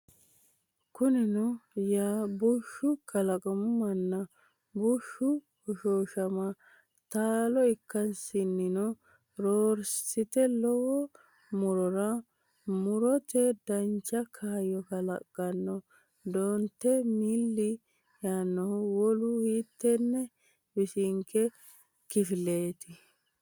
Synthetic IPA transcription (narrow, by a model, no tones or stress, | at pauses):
kʊnɛnʊjaːbuʃːʊkɐlɐkʼɔmmɐnːɐ | buʃːʊ | hɔʃoːʃɐmɐ | t̪aːlɔɪkːɐnsɪnːɪnɔ | ɾoːɾsɪt̪ɛlɔhɔ | mʊɾɔɾɐ | mʊɾɔt̪ɛd̪ɐnt͡ʃːɐkʰaːjɔkɐlɐ̰kʼːɐnːɔ | d̪oːnt̪ːɛmɪlːɪ | jaːnːɔhɔwɔlʊhiːt̪ːɛnːɛ | bɪsɪŋkɛ | kɪfɪle̞ːt̪ɪ